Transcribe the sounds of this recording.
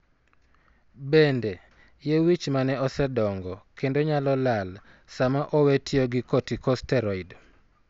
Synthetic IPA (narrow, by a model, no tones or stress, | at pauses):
bende | jewit͡ʃmanɛɔsɛdɔŋɡɔkendoɲalɔlal | samaʔɔwetʰɪoɡɪkotikɔstɛɾɔid